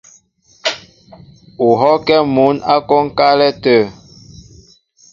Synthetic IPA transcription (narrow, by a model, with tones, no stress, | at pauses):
u˨ɦɔ˦kɛ˦mu˨˦na˦kɔ˦ŋ˦ka˦lɛ˦tə˦˨